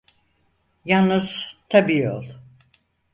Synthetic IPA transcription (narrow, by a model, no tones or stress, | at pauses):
jalˠnɯz̥t̪ʰabiːjo̰lˠ